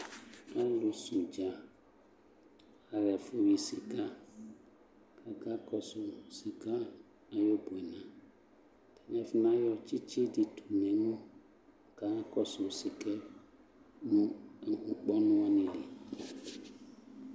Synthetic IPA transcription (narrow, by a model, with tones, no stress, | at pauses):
a˦lu˨su˨d͡ʒa˨ | a˨ɾɛ˨fu˦wi˨si˨ka˦ | kʰa˨ka˦kɔ˨so˨si˨ka˦ | a˨jo˦bo˨e˨nã˨ | tʰɛ˨nɛ˦fi˦nã˦jɔ˦˨t͡ʃi˦t͡ʃi˦di˨tʰu˨nɛ̃˨˦mũ˦˨ | ka˨˦kɔ˨so˨si˨kɛ˦ | mũ˦˨ũ˨k͡pɔ˦nũ˦wa˦nĩ˨li˨